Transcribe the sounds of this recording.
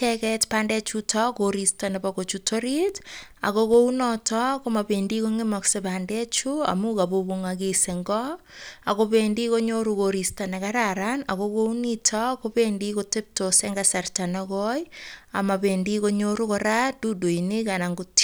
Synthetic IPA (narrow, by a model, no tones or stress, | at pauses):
t͡ʃɛkɛtpaːndɛt͡ʃutʰɔkoɾistanepakot͡ʃutʰoɾita̰kokounɔtʰɔkomabendikoŋemɔksepaːndɛt͡ʃua̰mukaboβuŋakeseŋɡɔ | akoβeːndikoɲoɾukoɾistanekaɾaɾana̰ɣokounitʰɔkopendikotep̚toseŋɡasartanɔɣɔja̰maβendikoɲoɾukoɾadudoinekanaŋɡut